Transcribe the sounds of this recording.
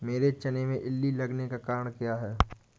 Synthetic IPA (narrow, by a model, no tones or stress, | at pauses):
meːɾet͡ʃɐnemẽʔɪlːilɐɡnekakaːɾəɽ̃kjaɦɛː